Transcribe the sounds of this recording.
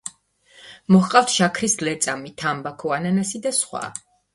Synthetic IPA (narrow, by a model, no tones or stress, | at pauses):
mɔhqʼaft̪ʰʃakʰɾislɛt̪sʼamit̪ʰambakʰɔananasid̪asχwa̰